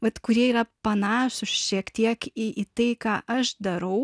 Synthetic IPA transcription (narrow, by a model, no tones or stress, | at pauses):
ʋɐt̪kʊɾʲiɛiːɾɐpɐnɑːʃʊsʃʲiɛkt̪ʲiɛkɪʔɪt̪ɐɪkɑːʔɐʃd̪ɐɾɐʊ